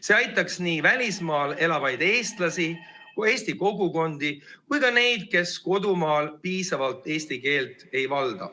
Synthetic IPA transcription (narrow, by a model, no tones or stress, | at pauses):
se̞ɑjt̪ːˑɑksniːvælʲismɑːle̞lɑvɑjd̪̥e̞ːst̪lɑsi | e̞ːsʲt̪iko̞ɡuko̞nd̪̥ikujkɑne̞jd̪̥̚ke̞sko̞d̪umɑːlpiːsɑvɑlt̪ːˑe̞ːsʲt̪ike̞ːlt̪ˑe̞jvɑld̪̥ɑ̰